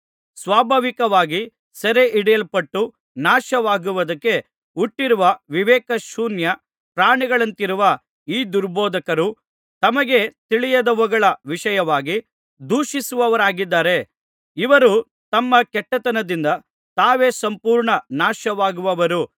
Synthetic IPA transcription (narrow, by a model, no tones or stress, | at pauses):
sʋaːbʱaːʋikɐʋaːɡi | sɐɾeʔiɽɛjɐlpɐʈːu | naːʃɐʋaːɡuʋɐd̪ɐkːe̞ | uʈːiɾuʋɐʋiʋɛːkɐʃuːnjɐ | pɾaːɳiɡɐɭɐnt̪iɾuʋɐ | iːd̪uɾboːd̪ʱɐkɐɾu | t̪ɐmɐɡe̞t̪iɭijɐd̪ɐʋɔɡɐɭɐʋiʃɐjɐʋaːɡi | d̪ʱuːʃisuʋɐʋɐɾaːɡid̪ːaːɾe̞ | iʋɐɾu | t̪ɐmːɐkɛʈːɐt̪ɐnɐd̪ind̪ɐ | t̪aːʋe̞ːsɐmpuːɾɳɐnaːʃɐʋaːɡuʋɐʋɐɾu